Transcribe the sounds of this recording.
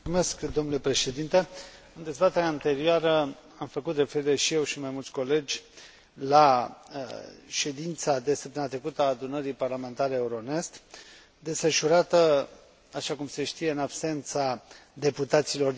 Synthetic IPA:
me̞skd̪o̞mnule̞pɾe̞ʃe̞d̪int̪e̞ɨnd̪e̞zbat̪e̞ɾeaant̪e̞ɾioaɾə | amfəkut̪re̞feɾiɾeʃije̞wʃimajmult̪sʲko̞le̞d͡ʒʲ | la | ʃe̞d̪int̪sad̪e̞səp̚t̪əmat̪ɾekut̪əaːd̪unəɾiparlame̞nt̪aɾeeuɾone̞st̪ | d̪e̞sfəʃuɾat̪ə | aʃakumse̞ʃt̪ije̞ɨnabse̞nt̪sad̪e̞put̪at̪silo̞r

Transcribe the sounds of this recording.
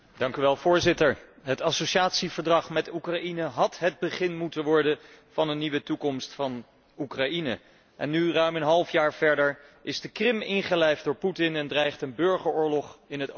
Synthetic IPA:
dɑŋkyʋɛlˠvʊːɹzɪtəɹɦətɑsoʃaːtsivəɹdrɑχmɛtukrɑinəɦɑtɦəd̚bəχɪnmutənʋɔɹdə | vɑnənːiʋətukɔmstfɑn | ukrɑinə̰ | ʔɛnːyrœɥmənɦɑlˠfjaːɹv̥ɛɹdəɹʔɪzdəkrɪmɪŋχəlɛjfdʊːɹputɪnɛndrɛjχtənbɵɹχəɹʊːɹlɔχɪnɦət

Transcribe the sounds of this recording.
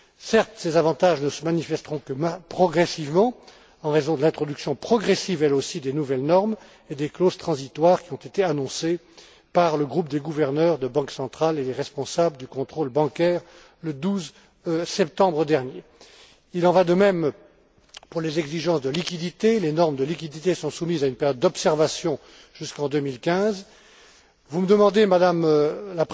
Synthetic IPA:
sɛʁt̪sezavɑ̃t̪aʒnəsəmanifɛst̪əʁɔ̃kəapχɔɡʁɛsivmɑ̃ | ɑ̃ʁezɔ̃d̪əlɛ̃t̪χɔd̪yksjɔ̃pχɔɡʁɛsivɛlosid̪enuvɛlnɔʁm | ed̪ekloz̥t̪χɑ̃zit̪waʁkʲiɔ̃t̪et̪eanɔ̃se | paʁləɡʁupd̪eɡuvɛʁnœʁd̪əbɑ̃ksɑ̃t̪χaled̪eʁɛspɔ̃sabləd̪ykɔ̃t̪χolbɑ̃kʲɛʁ | ləd̪uz | sɛp̚t̪ɑ̃bʁəd̪ɛʁnje | ilɑ̃vad̪əmɛm | puʁlezɛɡziʒɑ̃sd̪əlikʲid̪it̪elenɔʁmd̪əlikʲid̪it̪esɔ̃sumizaynpeʁjɔd̪̚ːɔpsɛʁvasjɔ̃ | ʒ̥yskɑ̃d̪ømilkʲɛ̃z | vuməd̪əmɑ̃d̪emad̪amlap

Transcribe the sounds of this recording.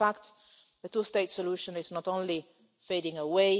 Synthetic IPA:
fakt̪ | ðətusteɪtsɔluʃə̃nɪznɔtõnli | feɪɾɪ̃ŋəweɪ

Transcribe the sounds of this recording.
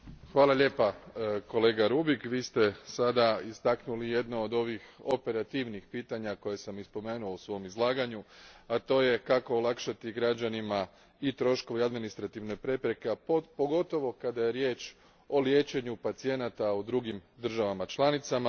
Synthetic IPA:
xʋaːlˠaʎe̞ːpako̞le̞ːɡaɾubikʋiːst̪e̞sad̪aist̪aknulije̞d̪nood̪o̞ʋixope̞ɾat̪iʋnixpiːt̪aɲako̞jesamispo̞me̞ːnuousʋo̞omizlˠaːɡaɲuat̪o̞ːje̞kako̞ːlakʃat̪iɡɾad͡ʑanima | it̪ɾo̞ʃko̞ʋiad̪minist̪ɾat̪iʋno̞jpɾe̞pɾe̞keapo̞ɡo̞t̪o̞ʋo̞kad̪aje̞ɾjeːt͡ʃ | o̞lje̞t͡ʃe̞ɲupat̪sije̞nat̪aud̪ɾuɡimd̪r̩ʒaʋamat͡ʃlˠanit̪sama

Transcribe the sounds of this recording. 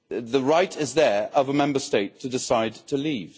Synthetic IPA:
ðəɹaɪtɪzðə˞ʌvəmɛ̃mbəsteɪtʰədɪsaɪd̚tʰəliːv̥

